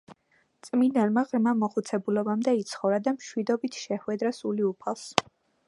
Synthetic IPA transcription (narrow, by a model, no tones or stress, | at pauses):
t̪sʼminɛlˠmaʁɾmamɔχut̪sʰɛbulɔbamd̪ɛit̪sʰχɔvɾad̪amʃwid̪ɔbit̪ʰʃɛχwɛd̪ɾasuliupʰalˠs